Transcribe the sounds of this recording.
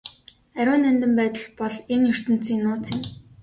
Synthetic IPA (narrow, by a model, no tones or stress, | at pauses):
æɾʲʊːnænt̪ɘ̆mpæːt̪ə̆ɮpɔɮenjɵr̥t̪ɵ̆n̥t͡siːnːʊːt͡s̪ʰɪ̆m